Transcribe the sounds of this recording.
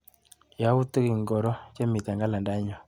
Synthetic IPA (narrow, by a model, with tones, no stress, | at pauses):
ja˨˦u˦t̪u˦ki˨ŋɡɔ˨ɾɔ˦t͡ʃa˦mi˨t̪a˨ŋɡa˦la˨nda˦ɲɔ˨